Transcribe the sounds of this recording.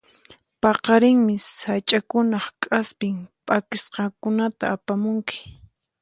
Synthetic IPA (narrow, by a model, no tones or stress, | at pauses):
pɑqɑɾɪŋmɪsat͡ʃʼakʊnɑχkʼaspɪmpʼakɪsqɑkʊnat̪a̰ːpamʊŋkɪ̥